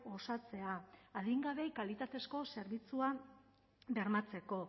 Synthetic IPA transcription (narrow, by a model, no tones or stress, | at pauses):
o̞sat͡se̞aːðiŋɡaβe̞kalit̪at̪e̞sko̞se̞ɾβit͡sua | be̞ɾmat͡se̞ko̞